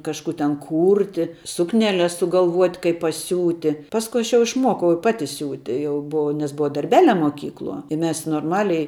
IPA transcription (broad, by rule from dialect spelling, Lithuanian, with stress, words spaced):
kɐʃˈkuː tʲɛn ˈkuːrʲtʲɪ ˈsʊknʲɛˌlʲɛs sʊɡɐlˠˈʋuɔtʲ kɐɪp pɐˈsʲuːtʲɪ ˈpɑːskʊ ˈɐʃ jɛʊ ɪʃˈmuɔkɐʊ ɪ ˈpɑːtʲɪ ˈsʲuːtʲɪ ˈjɛʊ bʊˈɐʊ nʲɛs ˈbʊʋɐ dɐrʲˈbʲæːˌlʲɛ moːˈkʲiːklˠuɔ ɪ ˈmʲɛs noːrˈmɑːlʲɛɪ